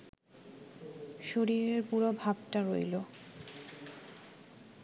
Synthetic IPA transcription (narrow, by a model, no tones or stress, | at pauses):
ʃoɾiɾeɾpuɾobʱab̚ʈaɾojlo